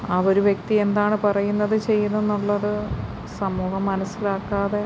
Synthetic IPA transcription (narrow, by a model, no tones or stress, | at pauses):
aʋo̞ɾuʋje̞kt̪ie̞nd̪aːɳɨpɐrɐjunːɐðɨt͡ɕe̞jːunːenːuɭːɐðɨ | sɐmːuːhɐmːɐnɐsːilaːkːaːðe̞